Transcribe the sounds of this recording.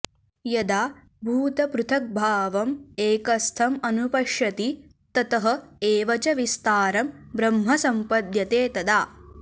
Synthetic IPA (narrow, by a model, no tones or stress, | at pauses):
jɐd̪aː | bʱuːt̪ɐpɾut̪ʰɐk̚bʱaːʋɐmeːkɐst̪ʰɐmɐnupɐʃjɐt̪i | t̪ɐt̪ɐɦɐ̆eːʋɐt͡ʃɐʋist̪aːɾɐmbɾɐmɦɐsɐmpɐd̪jɐt̪eːt̪ɐd̪aː